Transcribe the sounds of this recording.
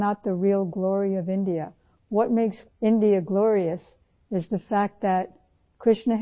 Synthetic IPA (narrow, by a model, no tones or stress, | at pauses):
nət̪̚ðɨɹilˠɡlɔɹiʌvɪ̃ndiɨ | wʌt̚meɪks | ɪ̃ndiɨɡlɔɹiɨs | ɨzðɨfæk̚t̪̚ðɨt̚ | kʰɹ̥ɪʃnɨ